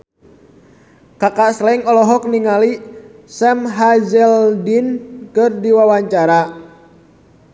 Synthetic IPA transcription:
kakaslɛŋɔlɔɦɔk̚niŋalisɛmɦad͡ʒɛldinkɨrdiwawaɲt͡ʃaɾa

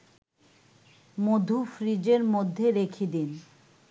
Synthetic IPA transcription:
mod̪ʱofɾid͡ʑeɾmod̪ʱːeɾekʰed̪in

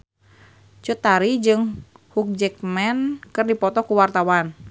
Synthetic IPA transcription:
t͡ʃut̪aɾid͡ʒɨŋhuk̚d͡ʒɛk̚mɛnkɨrdipɔt̪ɔkuwart̪awan

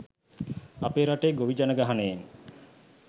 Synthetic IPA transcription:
apeːɾaʈejɡoʋid͡ʒanəɡaɦaneen

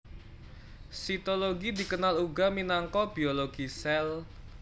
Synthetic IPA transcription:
sit̪oloɡidi̤kənaluɡaminaŋkɔb̥ioloɡ̥isɛl

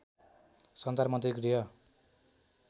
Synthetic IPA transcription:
sʌnt͡sarmʌnt̪rikrijʌ

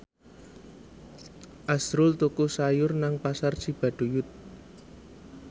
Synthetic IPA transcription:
ʔasɾʊlt̪ukusajʊrnaŋpasar̥t͡ʃib̥a̤ɖ̥ṳjʊt̪̚

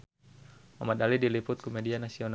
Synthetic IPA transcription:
amat̪̚alidilipʊt̪̚kɔmedianasion

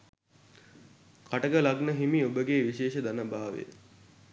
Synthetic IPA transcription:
kʰaʈəɡəlaɡnəɦimiobəɡeːʋiʃeːʃəd̪anəbaːʋḛ

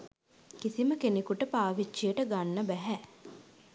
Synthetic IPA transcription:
kisiməkenekuʈəpaːʋit͡ʃːijəʈəɡanːəbæɦæ

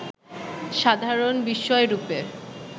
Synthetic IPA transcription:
ʃad̪ʱaɾonbiʃːɔeɾupe

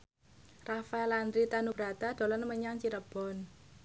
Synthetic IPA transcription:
rafaɛland̪ɾit̪anub̥ɾa̤t̪ad̪̥o̤lɔnməɲaŋt͡ʃiɾəb̥ɔ̤n

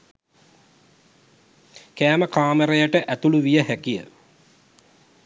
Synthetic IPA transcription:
kæːməkaːməɾejəʈəʔæt̪uluʋijəhækijə̰

